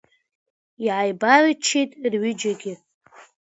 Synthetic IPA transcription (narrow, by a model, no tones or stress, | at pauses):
iʕajbart͡ʃʰejtʼrɥʏd͡ʒaɡʲɪ